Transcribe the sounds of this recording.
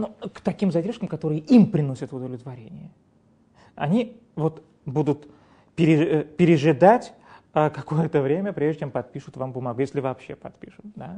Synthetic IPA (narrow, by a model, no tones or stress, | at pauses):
nokt̪ɐkʲimzɐdʲerʂkəmkɐt̪o̞ɾɨjəʔimpɾʲɪno̞sʲət̪ʊd̪əvlʲɪt̪vɐɾʲenʲɪjə | ɐ̰nʲi | vo̞t̪ | bud̪ʊt̪ | pʲɪɾʲɪpʲɪɾʲɪʐɨd̪atʲəkɐko̞jət̪əvɾʲemʲəpɾʲeʐd̪ət͡ɕʲempɐt̪̚pʲiʂʊt̪vampəmɐɡujesʲlʲɪvɐːpɕːe̞pɐt̪pʲḭʂɨt̪d̪a